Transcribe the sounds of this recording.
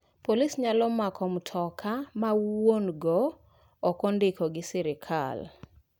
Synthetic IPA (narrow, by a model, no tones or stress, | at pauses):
polisɲalɔmakʰɔmtʰɔkʰamawonɡɔː | kɔndɪkɔɡɪsiɾɪkʰa̰l